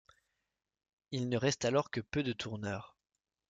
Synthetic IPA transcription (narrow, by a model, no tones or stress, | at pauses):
ilnəʁɛst̪alɔʁkəpød̪ət̪ʰuʁnœːʁ